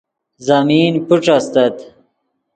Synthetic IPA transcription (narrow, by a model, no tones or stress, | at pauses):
zɐmiːnpuʈ͡ʂɐst̪ɐt̪